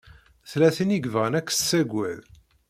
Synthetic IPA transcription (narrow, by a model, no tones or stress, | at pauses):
θlæθiniɡvʁənækːsːæɡʷæð